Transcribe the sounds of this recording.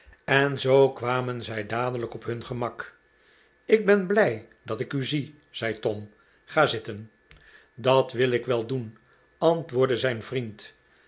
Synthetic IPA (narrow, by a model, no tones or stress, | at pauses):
ɛnzowkʋaːmənzɛjdaːdələkɔpɦɵnχəmɑk | ɪɡ̚bɛnblɛj | dɑtɪkyzi | z̥ɛjtɔm | χaːzɪtən | dɑtʋɪlˠɪkʋɛlˠdun | ɑntʋʊːɹdəzɛjnvrint